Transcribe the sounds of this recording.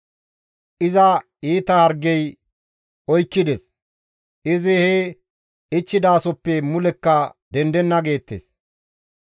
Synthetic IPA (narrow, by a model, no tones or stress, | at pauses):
ʔɪzɐ | iːt̪ɐhɐɾɡɛj | ɔjkːɪd̪es | ʔɪzɪhɛ | ɪt͡ʃːɪd̪aːsɔpːɛmʊlɛkːɐd̪ɛnd̪ɛnːɐɡe̞ːt̪ːḛːs